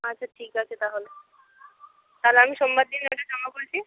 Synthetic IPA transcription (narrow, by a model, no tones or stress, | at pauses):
at͡ɕʰaʈʰiːkasʰet̪aɦole | t̪alaːmiʃɔmbad̪̚d̪ineaʈʰet͡ɕɔmakoɾt͡ɕi